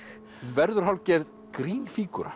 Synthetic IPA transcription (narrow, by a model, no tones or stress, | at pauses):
nvɛɾðʏɾ̥ɦawlcɛɾð | kɾiːnfiːkʏɾa̰